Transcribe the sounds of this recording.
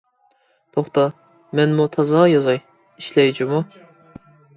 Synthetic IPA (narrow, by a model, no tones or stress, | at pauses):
t̪ʰoχt̪ɑ | mɛnmut̪ʰɑzɑʁjɑzɑj | iʃlɛjd͡ʒimu